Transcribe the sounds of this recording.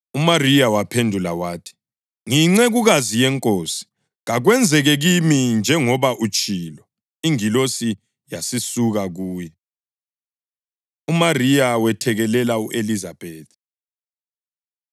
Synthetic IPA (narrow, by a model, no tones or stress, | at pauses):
umarijawapʰendʱula̰waːtʰi̥ | ŋiŋ͡ǀɛɣuɣazijɛŋkʼoːsi̥ | ɣaɣwɛnd͡zʱɛɣɛɣimind͡ʒʱɛŋɔβaʔut͡ʃʼiːlɔ | iŋilosi | jasisuɣaɣuːjɛ | umarijawɛtʰɛɣɛlɛlauʔelizab̥ʱeːt̪̚ʰ